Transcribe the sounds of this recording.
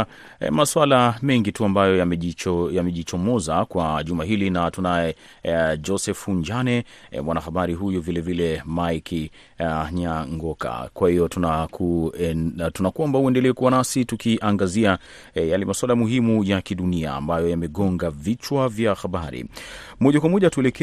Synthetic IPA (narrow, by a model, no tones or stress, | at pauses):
maswalamɛŋɡituambajɔjaɛjamɛʄit͡ʃɔmɔzakwaʄumaɦilinatunaɛ | d͡ʒɔsɛfuɲd͡ʒanɛ̰mwanaxaɓaɾiɦujuvilɛvilɛmajkʰ | ɲaŋɡɔka̰kwahijɔtunakʰu | tunakwambahuɛndɛlɛɛkuwanasitukiʔaŋɡazia | jalɛmaswalamuhimujakiɗunia̰ːmbajɔjamɛɠɔŋɡavit͡ʃwavjaxaɓaɾḭmɔʄakwamɔʄatuɛlɛkɛ